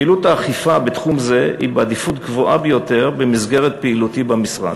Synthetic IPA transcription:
ilut̪aːχifabet̪χumze̞ḭbead̪ifut̪ɡvoʔabejo̞t̪e̞ʁbemizɡe̞ʁet̪̚peilut̪ibamisʁa̰d

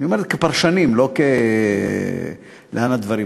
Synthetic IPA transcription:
nioeɾet̪kepaʁʃanimlo̞ke | leanad̪vaʁi

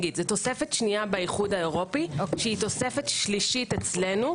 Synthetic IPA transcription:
ɡid̪zet̪o̞sefe̞tʃniabaiχudaeʁo̞piʃeit̪o̞sefetʃliʃitet͡sle̞nu

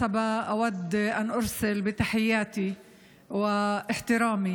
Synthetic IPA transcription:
abaʔawad̪ːʔanʔʊɾsɪlbɪt̪aħɪjːaːt̪i | wɪʔɪħt̪ɪɾaːmi

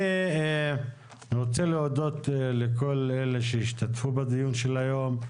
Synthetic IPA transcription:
e | niʁot͡seleod̪o̞t̪leko̞lele̞ʃeiʃt̪at̪fubad̪ijunʃelajo̞m

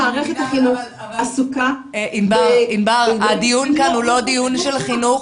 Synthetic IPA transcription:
aːʁeχet̪haχinuχ | asukaʔimbaʁinbaʁad̪ijunkanhulo̞d̪ijunʃelχinuχ

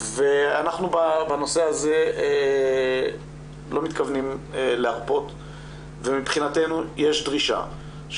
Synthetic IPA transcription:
ve̞anaχnubabano̞se̞aze̞e | lo̞mit̪kavnimleaʁpo̞t̪ | ve̞mipχinate̞nujeʃdʁiʃa̰ | ʃ

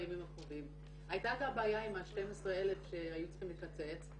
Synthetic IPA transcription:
jamimaχovim | ajtakabaːjaimaʃte̞mesʁee̞le̞fʃe̞ajut͡sχimlekat͡se̞t͡s

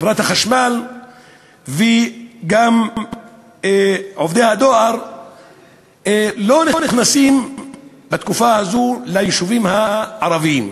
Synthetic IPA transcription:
vɾat̪haχaʃmal | veɡam | ʕovd̪ejhad̪oaʁ | lo̞niniχnasim | bat̪kufahazulajiʃuvimhaʕaɾaviim

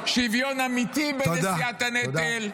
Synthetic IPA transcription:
ʃivjonamit̪ibeodaiat̪aned̪el

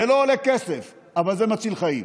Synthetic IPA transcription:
eloːlekesef | avalzemat͡silχaḭm

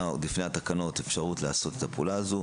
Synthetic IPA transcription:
wlifneat̪akano̞t̪e̞fʃaʁut̪laːso̞t̪et̪apuːlaːzu

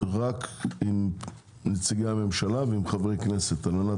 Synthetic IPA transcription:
ʁakim | nit͡siɡejame̞mʃalaveimχaveʁejkneset̪almana

